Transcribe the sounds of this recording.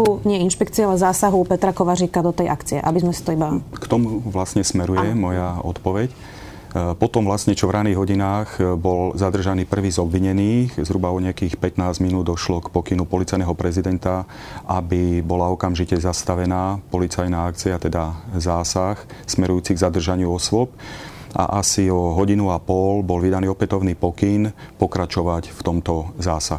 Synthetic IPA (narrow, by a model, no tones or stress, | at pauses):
uɲɪɛinʃpɛkt͡siɛalɛzaːsaɦupɛt̪ɾakɔʋaɾiːkad̪ɔt̪ɛjʔakt͡siɛ̰ʔa̰bizmɛsi̥t̪ɔibakt̪ɔmuʋlasɲɛsmɛɾujɛmɔjaɔ̰t̪pɔʋɛc | pɔt̪ɔmʋlastɲɛt͡ʃɔvɾaniːɣɦɔɟinaːɣbɔlzad̪r̩ʒaniːpr̩ʋiːzɔbʋiɲɛniːxzɦɾubaɔɲɛakiːxpɛt̪naːzminuːd̪d̪ɔʃlɔkpɔkinupɔlit͡sajnɛɦɔpɾɛzid̪ɛnt̪a | ʔabibɔlaɔkamʒicɛzast̪aʋɛnaːpɔlit͡sajnaak̚t͡siat̪ɛd̪azaːsaxsmɛɾujuːt͡siɡzad̪r̩ʒaɲɪuɔsʋɔp̚ | ʔa̰ʔasiɔɦɔɟinuapɔlbɔlʋid̪aniːɔpɛt̪ɔʊniːpɔkinpɔkɾat͡ʃɔʋacft̪ɔmt̪ɔzaːsaɦu